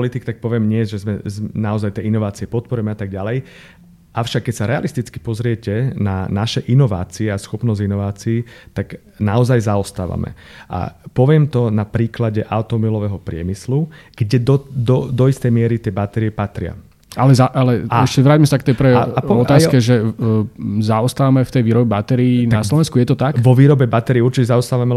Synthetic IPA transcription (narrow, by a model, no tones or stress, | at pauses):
lit̪ikt̪ak̚pɔʋɪɛmɲɪɛʒɛzmɛznaɔzajt̪ɪɛinɔʋaːt͡siɛpɔt̪̚pɔɾujɛmɛat̪aɡ̚ɟalɛj | ʔaʊʃakːɛcsaɾɛa̰list̪it͡ski̥pɔzɾɪɛcɛnanaʃɛʔinɔʋa̰ːt͡siɛasxɔpnɔzɟinɔʋaːt͡siiːt̪aɡ | naɔzajzaɔst̪aːʋa̰mɛ̰ʔa̰pɔʋɪɛmt̪ɔnapɾiːklaɟɛʔaʊt̪ɔɔbilɔʋɛɦɔpɾɪɛ̰misluɡ̥ɟɛd̪ɔd̪ɔd̪ɔist̪ɛjmɪɛɾit̪ɪɛbat̪ɛɾiɛpat̪ɾɪa̰ | alɛzaʔalɛaɛʃcɛʋɾaːɟmɛsakt̪ɛjpɾɛaɔt̪aːskɛʒɛ | zaɔst̪aːʋamɛft̪ɛjʋiːɾɔbɛbat̪ɛɾiːnaaslɔʋɛnskujɛt̪ɔt̪akʋɔʋiːɾɔbɛbat̪ɛɾiːuɾt͡ʃicɛzaɔst̪aːʋamɛ